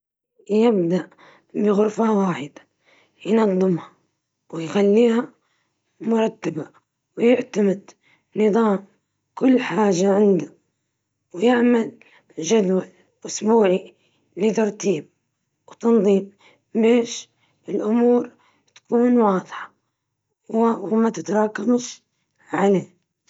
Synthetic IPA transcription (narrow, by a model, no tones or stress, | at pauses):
jɪbd̪aʔ | bɪɣʊɾfawaːħɪd̪ḁ | jnɑðˤːɨmha | wɪjxalːiːha | mʊɾˤɑt̪ːaba | wjɪʕt̪amɪd̪ | nɨðˤɑːm | kʊlːħaːʒaʕɪnd̪a | wjɪʕmal | ʒad̪wal | ʔʊsbuːʕi | lɪt̪ɑɾˤt̪iːb̚ | wt̪ɑnðˤiːm | beːʃ | ɪlʔʊmuːɾ | t̪ḁkuːnwɑːðˤħɑ̥ | wwmat̪ɪt̪ɑɾˤɑːkamʃ | ʕaleː